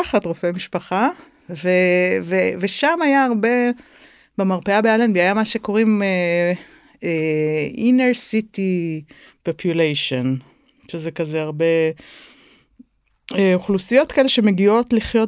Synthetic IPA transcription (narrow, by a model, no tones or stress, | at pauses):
aχatʁofe̞miʃpaχa | veveveʃamajaːʁbe̞ | bemaʁpeabealanbiajamaʃe̞ko̞ʁime | eineʁsiti | popʰjulejʃo̞n | ʃezekazeaʁbe̞ | eoχlusijo̞tkaeleʃemeɡio̞tliχjo̞t